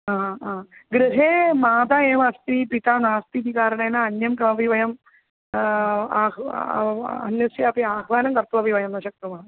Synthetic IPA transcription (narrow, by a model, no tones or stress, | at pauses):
aːaːɡɾɨɦeːmaːd̪aeːmɐst̪ipiʈaːnaːst̪it̪ikaːɾɐɳɐjnɐɐnjɐmkɐmɐbiʋɐjɐm | a̰ː | ɐnjɐsjapiaːɦʋaːnɐmkɐrt̪uʋɐbiʋɐjɐmnɐɕɐk̚t̪ɐmaːɳɨ